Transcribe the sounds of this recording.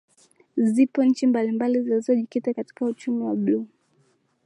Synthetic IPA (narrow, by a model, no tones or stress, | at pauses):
zipɔn̩ɲ̩t͡ʃimbalimbalizilizɔʄikitakati̥kaut͡ʃumiwablɔ